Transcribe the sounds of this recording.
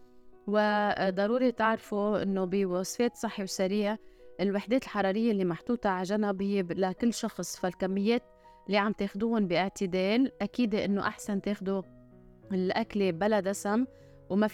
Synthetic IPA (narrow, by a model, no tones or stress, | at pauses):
wɪd̪ˤɑɾuːɾit̪ɪʕɾfuʔɪ̰nːobiwɑsˤfeːt̪sˤɨħːiwsaɾiːʕaʔɪlwɪħd̪eːt̪ɪlħɑɾˤɑːɾɪjːalːimaħt̪uːt̪ɑʕaʒanabɪjːelakɪlːʃɑxsˤfalkamːɪjːeːt̪ | lːiʕamt̪eːxd̪uːhʊnbiʔɪʕt̪ɪd̪eːlʔakiːd̪eʔɪnːoʔaħsant̪eːxd̪u | ɪlʔaklebalad̪ʔasam | wma